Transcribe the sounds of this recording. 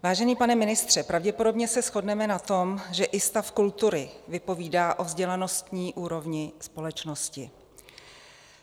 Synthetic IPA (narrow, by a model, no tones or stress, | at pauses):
vaːʒɛniːpanɛmɪnɪst̪r̝̥ɛpɾavɟɛpo̞do̞bɲɛsɛsxo̞dnɛmɛnat̪o̞mʒɛʔɪst̪afkult̪uɾɪvɪpo̞viːdaːʔo̞vzɟɛlano̞st̪ɲiːʔuːɾo̞vɲɪspo̞lɛt͡ʃno̞scɪ